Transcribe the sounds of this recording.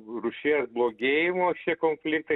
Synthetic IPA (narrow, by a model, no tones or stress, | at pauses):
rʊʃʲiːsblˠoːɡʲeːjɪmoːʃʲiɛkoːnʲfʲlʲɪk̚t̪ɐ